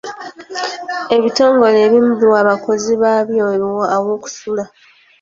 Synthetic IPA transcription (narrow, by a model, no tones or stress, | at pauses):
e̞βito̞ːŋɡo̞le̞ːβimubiwaːβako̞ziβaːβjolwoʔawo̞ːku̥sula